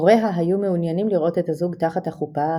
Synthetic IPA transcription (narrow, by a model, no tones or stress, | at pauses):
ʁe̞ɦaɦajumeunjanimliʁʔo̞te̞thazuɡtaχathaχupa